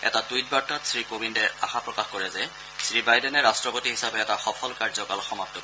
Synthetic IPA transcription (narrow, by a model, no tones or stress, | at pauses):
ɛ̰tatujt̚baɹtːatsɹikobindɛaxapɹɔkaxkɔɹɛzɛ | sɹibajdɛnɛɹastɹɔpotiɦisabeɛtaxɔpʰɔlkaɹzɔkalxɔmap̚t̪ːɔk